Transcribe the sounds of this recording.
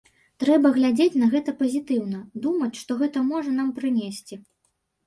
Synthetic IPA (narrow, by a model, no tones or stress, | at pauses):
t̪ɾɛbɐɣlʲad͡zʲet͡sʲnɐɣɛt̪ɐpɐzʲit̪ɨwn̪ɐd̪umɐt͡sʲʂt̪ɔɣɛt̪ɐmɔʐɐn̪ampɾɨnʲesʲt͡sʲi